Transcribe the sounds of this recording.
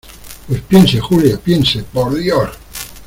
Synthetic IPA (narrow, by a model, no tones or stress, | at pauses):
pespjensexuljapjensepoɾðjoɾ